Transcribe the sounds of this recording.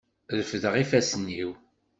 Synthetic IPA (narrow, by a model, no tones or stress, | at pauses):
ðəfəðəʁifæsənːiw